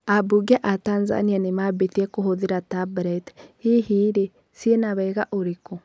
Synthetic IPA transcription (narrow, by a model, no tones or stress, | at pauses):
abuɡɛʔatanza̰nianemabeθiɛkoɦoðeɾatabɾɛthihiːɾe | sjenaβɛɣaʔoɾeko